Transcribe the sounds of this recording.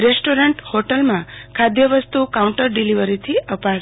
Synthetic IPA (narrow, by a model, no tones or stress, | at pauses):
ɾesʈoɾəɳʈhoʈəlmãkʰad̪jəʋəst̪ukauɳʈəɾɖiliʋəɾit̪ʰiəpa